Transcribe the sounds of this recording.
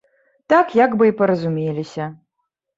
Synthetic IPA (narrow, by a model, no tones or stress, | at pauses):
t̪akjaɡbɨipɐɾɐzumʲelʲisʲɐ